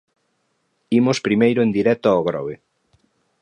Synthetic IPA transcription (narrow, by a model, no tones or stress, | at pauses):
imospɾimejɾʊend̪iɾɛt̪oaoɣɾɔ̰βe